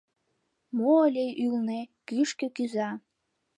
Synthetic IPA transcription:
moːlʲeʔylnekyʃkø̆kyzɑ

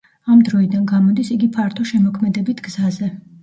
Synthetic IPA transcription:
amd̪ɾɔid̪anɡamɔd̪isiɡipʰaɾt̪ʰɔʃɛmɔkʰmɛd̪ɛbit̪ʰɡzazɛ

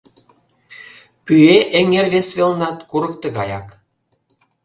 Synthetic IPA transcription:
pyeʔeŋerβesβelnɑt̪kuɾə̆k̚t̪eɣɑjɑk

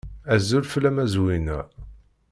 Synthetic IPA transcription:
æzulflæmæzwinæ

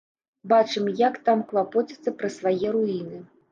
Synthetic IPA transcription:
bat͡ʂɨmjakt̪amklˠapɔt͡sʲi̥t̪sːɐpɾɐsvajɛɾuinɨ

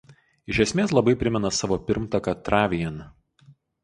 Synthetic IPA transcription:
ɪʃʲɛsʲmʲeːs̬lˠɐbɐɪpʲɾʲɪmʲɛnɐsɑːʋoːpʲɪɾmt̪ɐkɐt̪ɾɑːʋʲɪjɛn

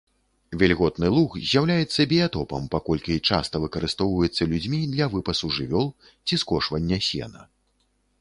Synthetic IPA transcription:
vʲɛlʲɣɔt̪nɨlˠuxzʲjawlʲajɛt̪sːɐbʲijat̪ɔpɐ̰mpakɔlʲkʲit͡ʂa̰st̪ɐvɨkɐɾɨst̪ɔwvɐjɛt̪sːɐlʲud͡zʲmʲid̪lʲɐvɨpɐsuʐɨvʲɔlˠ | t͡sʲiskɔʂvɐnʲːɐsʲɛ̰nɐ̰

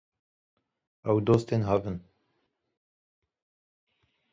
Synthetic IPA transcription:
ɛwd̪oːst̪eːnɦavən

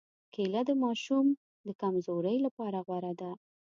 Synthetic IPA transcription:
kʰelad̪əmɑʃum | d̪əkamzoɾəjlapɑɾaɣwaɾad̪a

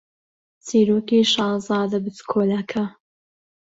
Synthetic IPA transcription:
t͡siːɾoːkiːʃɑːzɑːd̪ɐbɨt̪kʰoːlɐkʰɐ

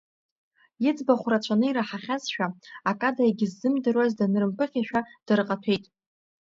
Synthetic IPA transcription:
jɪd͡zbaχʷrat͡ɕʷʰanɨiɾaħaχʲazʃᶣaakʼadaaɡʲɪzːɨmdɨrwazdanɨrɨmpʰɨχʲaʃᶣad̥arɨqʼatʰe̞jtʼ

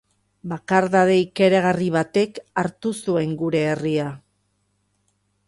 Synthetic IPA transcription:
bakaɾðaðe̞ike̞ɾaɣariβ̞at̪e̞kaɾt̪usue̞ŋɡuɾe̞ːria

